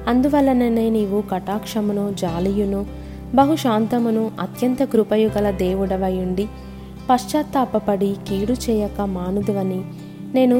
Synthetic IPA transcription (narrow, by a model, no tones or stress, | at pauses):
ɐnd̪uʋɐlːɐneneːniʋukɐʈaːkʂɐmunod͡ʒaːlijunu | bɐɦuʃaːnt̪ɐmunuʔɐt̪jɐnt̪ɐkɾupɐjuɡɐlɐd̪eːʋuɽɐʋɐjuɳɖi | pɐʂt͡ʃaːt̪ːaːpɐpɐɽikiːɽut͡ʃɛːjɐkɐmaːnud̪iʋɐni | ne̞ːnu